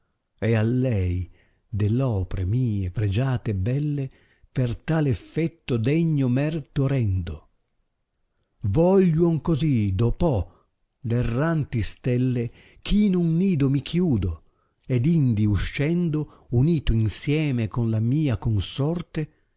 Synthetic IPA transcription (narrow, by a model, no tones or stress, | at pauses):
ɛalːɛj | d̪elːɔːpɾemiːepɾed͡ʒaːt̪eɛbːɛlːe | pert̪aːleɛfːɛt̪ːod̪ɛɲːomɛrt̪oɾɛnd̪o | vɔʎːwoŋkozid̪opɔ | lerːant̪ist̪ɛlːe | kʰiːnunːiːd̪omikʰjuːd̪o | ɛd̪ind̪iuʃːɛnd̪o | uniːt̪oinsjɛːmekonlamiːakonsɔrt̪e